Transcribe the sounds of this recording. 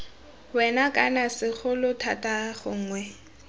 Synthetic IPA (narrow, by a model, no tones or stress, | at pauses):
wɛnakʼanasɪχʊlʊtʰatʼaχʊŋ̩ːŋwɛ